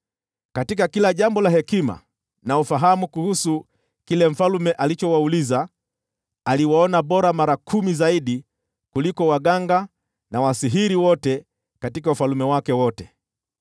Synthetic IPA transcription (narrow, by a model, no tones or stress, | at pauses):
katik̬akilaʄambɔlaɦɛkima̰ | naufaɦamukuhusu | kilɛm̩falumɛʔalit͡ʃɔwauliza | aliwaɔnaɓɔɾamaɾakʰumizaiɗi | kulikɔwaɠaŋɡa | nawasiɦiɾiwɔtɛ | katikaufalumɛwakɛwɔtɛ